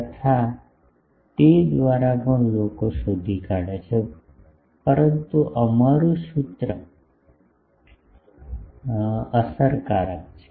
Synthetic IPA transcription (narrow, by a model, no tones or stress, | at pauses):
kət̪ʰa | t̪ed̪ʋaɾapə̃lokosud̪ʱikaɽet͡ʃʰe | pəɾənt̪uʔəmaɾũsut̪ɾə | əsəɾkaɾəkt͡ʃʰe̥